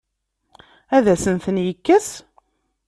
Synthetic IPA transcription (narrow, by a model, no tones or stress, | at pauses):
æðæsənθənjəkːæs